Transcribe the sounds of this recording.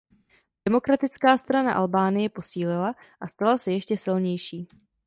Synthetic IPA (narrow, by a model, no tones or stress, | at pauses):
d̥ɛmo̞kɾat̪ɪt͡skaːst̪ɾana̰ʔa̰lbaːnɪjɛpo̞siːlɪla | ʔast̪alasɛjɛʃcɛsɪlɲɛjʃiː